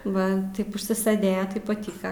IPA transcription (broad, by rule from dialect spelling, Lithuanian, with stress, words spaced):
ˈʋɐ ˈtɐɪp ʊʃʲsʲɪˈsɘdʲeːjɛ ˈtɐɪp pɐˈtʲiːkɐ